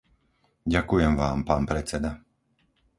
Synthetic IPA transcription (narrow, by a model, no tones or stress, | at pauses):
ɟakujɛmʋaːmpaːnpɾɛt͡sɛd̪a